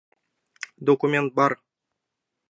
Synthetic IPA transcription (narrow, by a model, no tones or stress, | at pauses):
d̪okumʲent̪̚bɑr